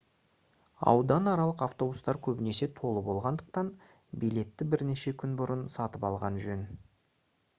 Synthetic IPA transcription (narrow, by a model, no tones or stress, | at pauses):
ɑ̰wd̪ɑnɑɾɑlˠəqɑft̪o̞bust̪ɑɾkʲʰɵbɪne̞se̞t̪ʰo̞lˠəbo̞lˠʁɑnd̪əq̚t̪ɑn | bijle̞t̪ːɪbɪɾne̞ʃe̞kʲʰʏnbʊɾənsɑt̪əpɑlˠʁɑnʒɵn